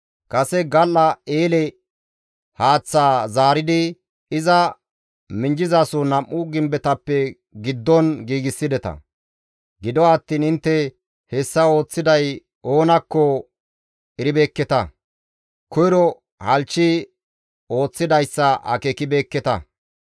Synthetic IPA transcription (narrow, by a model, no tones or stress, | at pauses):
kɐsɛɡɐlːɐeːlɛ | haːt͡sːaːzaːɾɪd̪ɪ | ɪzɐ | mɪnd͡ʒɪzaːsʊnɐmʔːʊɡɪmbɛt̪ɐpːɛ | ɡɪd̪ːɔnɡiːɡɪsːɪd̪ɛt̪ɐ̰ | ɡɪd̪ɔːt̪ːiːnɪnt̪ːɛ | hɛsːɐo̞ːt͡sːɪd̪ɐj | o̞ːnɐkːɔ | ɛɾɪbeːkːɛt̪ɐ | kɔjɾɔ | hɐlt͡ʃːɪ | o̞ːt͡sːɪd̪ɐjsːɐɐ̰kekɪbe̞ːkːɛt̪ɐ